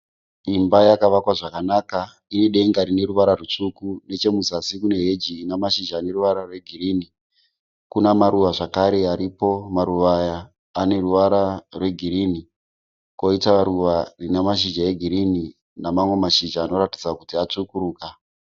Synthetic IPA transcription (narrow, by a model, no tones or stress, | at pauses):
imbajakaʋakwaʐakanaka | ineɗe̞ŋɡaɾine̞ruʋaɾarut͡ʂukune̞t͡ʃe̞muzasikune̞ɦe̞d͡ʒiːnamaʃid͡ʒaːne̞ruʋaɾarwe̞ɡʱiriːni | kunamaɾuʋaʐakaɾe̞aɾipo̞maɾuʋajaː | ne̞ruʋaɾarwe̞ɡʱiɾini | ko̞itaɾuʋarinamaʃ̬id͡ʒae̞ɡʱiɾini | namamwe̞maʃid͡ʒaːno̞rati̥d͡zakutiat͡ʂukuɾuːka